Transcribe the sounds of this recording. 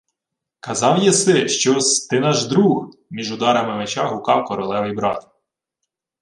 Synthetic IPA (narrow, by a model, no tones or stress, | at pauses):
kɐzɑwjɛsɪʃt͡ʃɔst̪ɪnɑʒd̪ɾuhmʲiʒʊd̪ɑɾɐmɪmet͡ʃɑɦʊkɑwkɔɾɔlˠɛʋɪjbɾɑt̪